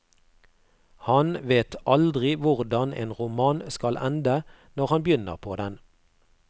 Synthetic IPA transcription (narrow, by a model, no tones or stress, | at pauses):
hɑnʋeːt̪ʔɑld̪ʁɪʋʊʁd̪ɑnḛːnʁʊmɑːnskɑlʔɛnd̪ə | nɔʁhɑnbjʏnə̰ʁpʰoːd̪ɛn